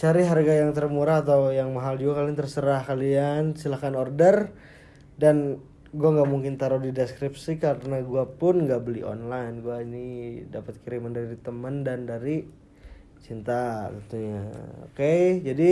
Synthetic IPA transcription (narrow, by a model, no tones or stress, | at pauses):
t͡ʃaɾiɦarɡajaŋt̪ərmuɾaːt̪awjaŋmaɦald͡ʒuɡakaliant̪ərsəɾahkaliansilakanɔrdər | dan | ɡuaŋɡamuŋkɪnt̪aɾudidɛskɾip̚sikaɾənaɡuapʊnŋɡaʔbəlḭɔ̰nlajnɡuainidapət̪̚kiɾiməndaiit̪əməndandaɾi | t͡ʃint̪aɡit̪uɲao̰ked͡ʒadi